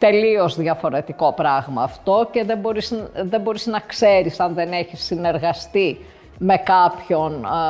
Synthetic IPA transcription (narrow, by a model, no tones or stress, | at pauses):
t̪e̞lio̞zðʝɐfo̞ɾe̞t̪iko̞pɾɐɣmɐːft̪o̞ce̞ðebo̞ɾisðe̞bo̞ɾiznɐkse̞ɾisɐnðe̞ne̞çisːine̞ɾɣɐst̪i | me̞kɐpço̞n